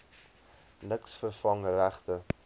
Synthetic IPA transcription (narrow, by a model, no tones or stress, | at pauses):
nəksfərfɐŋəɾæχtə